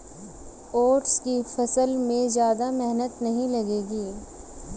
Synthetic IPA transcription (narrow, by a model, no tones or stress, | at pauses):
oːʈskifɐsəlmẽzjaːd̪amɛɦnət̪nɐɦĩlɐɡeːɡiː